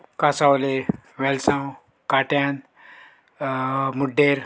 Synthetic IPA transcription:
kasawleʋelsãw | kaʈjan | muɖːeɾ

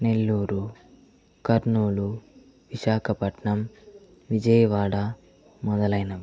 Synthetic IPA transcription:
ne̞lːuːɾu | kɐɾɳnuːlu | ʋiʃaːkʰɐpɐʈɳɐm | ʋid͡ʒɐjʋaːɽɐ | mɔd̪ɐlɐjnɐ

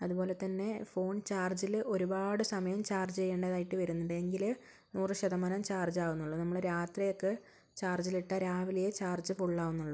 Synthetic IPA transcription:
ɐðubo̞ːle̞t̪ːɐnːe̞fo̞ːɳt͡ɕaːrd͡ʑilo̞ɾubaːɽɨsɐmɐjɐmt͡ɕaːrd͡ʑt͡ɕejːeːɳɖɐðaːjiʈːɨʋɐɾunːɐɖɨeŋɡil | nuːrɨɕɐðɐmɐnɐmt͡ɕaːrd͡ʑaːɣunːuɭːɐnɐmːɐɭɾaːt̪rijo̞kːe | t͡ɕaːrd͡ʑiliʈːɐɾaːʋilijɐt͡ɕaːrd͡ʑɨfoɭːaːɣunːuɭːu

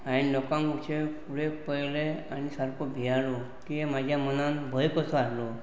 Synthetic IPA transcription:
ailɔkãŋɡut͡ʃʰepʰuɽepəjleanisaɾkɔbʱijaɭɔ | kiemad͡ʑʱjamənanbʱəjkɔsɔaslɔ

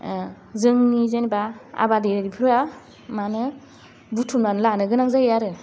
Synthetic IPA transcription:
zɯŋnizenibaa̰badeɾaɾipʰɯɾɯa | manɯ | butʰunanlanɯɡɯnaŋzajaɾɯ

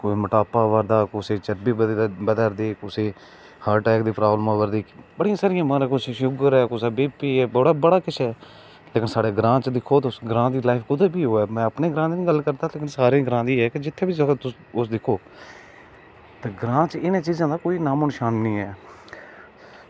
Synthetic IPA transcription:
koːiːməʈaːpaːʋəɾd̪aːkʊseːt͡ʃəɾbeːb̪bəd̪əɾd̪eːkʊseː | haːʈɛːkd̪iːpɾaːblmãːʋəɾd̪iːbəɽɪjãːsaːɾɪjãːmãːɾẽkʊt͡ʃʃʊɡəɾɛːkʊsaːbeːpeːɛːbəɽaːbəɽaːkɪt͡ʃʰɛː | leːkɪnsaːɽeːɡɾãːt͡ʃd̪ɪkʰːoːt̪ːʊsɡəɾãːd̪iːlaːɪfʰkʊd̪eːbiːɦoːɛːmɛ̃ːəpneːɡɾãːd̪eːnĩːɡəlkəɾd̪aːleːkɪnsaːɾẽːɡɾãːd̪iːɛːkɪd͡ʒɪt̪ʰːeːbiːsəkt̪ʊ | ʊsd̪ɪkʰːoː | t̪eːɡɾãːt͡ʃɪnãːt͡ʃiːzãːd̪aːkoːiːnaːmənʃaːnːĩːɛː

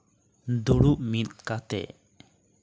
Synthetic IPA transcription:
d̪uɽuʔmit̪̚kat̪ɛ̰

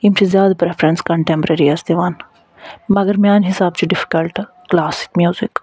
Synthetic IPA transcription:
imt͡ʃʰizjaːd̪apɾefɾənskɐ̃ɳʈẽmpɾeɾiɐsd̪eʋaːn | mɐɡəɾmjaːnɦɪsaːb̚t͡ʃiɖɪfi̥kəlʈ | klaːsɪ̥kmjuːzɪk

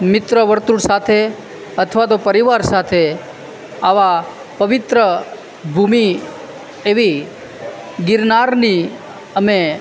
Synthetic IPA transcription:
mɪt̪ɾəʋəɾt̪uɽsat̪ʰe | ət̪ʰəʋat̪̬opəɾiʋaɾsat̪ʰe | aʋa | pəʋɪt̪ɾə | bʱumi | eʋi | ɡɪɾnaɾni | əme

